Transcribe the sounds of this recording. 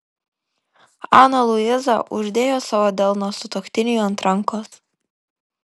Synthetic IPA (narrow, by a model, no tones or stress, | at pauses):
ɑːnɐlˠʊɪzɐʔʊʒʲd̪ʲeːjoːsɑʋoːd̪ʲɛlˠnoːsʊt̪okt̪ʲɪnʲɪjuɐnt̪ɾɐŋkoːs